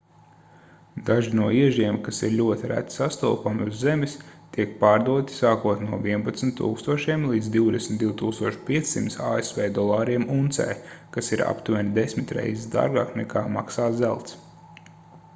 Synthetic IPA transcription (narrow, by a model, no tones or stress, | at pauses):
d̪aʒinuɔiɛʒiɛmkasiɾlʲuɔt̪ʲiɾʔæ̰t̪sast̪ṵːpamuzːemist̪iɛk̚paːɾd̪uɔt̪ʲi̥saːkuɔt̪nʲnuɔviɛnpat̪smt̪ːṵːkst̪uɔʃiɛmlˠiːd̪zd̪iwd̪esmʲt̪d̪ʲiuwt̪uːkst̪uɔʃpʲiɛt̪sʲsimt̪sa̰ːesvɛːd̪ɔlˠɑːɾiɛmunt̪sɛ̰jkasiɾa̰pt̪uvɛnd̪esmit̪ɾɛ̰jzid̪a̰ːɾɡa̰ːknɛkaːmaksaːzælˠt̪s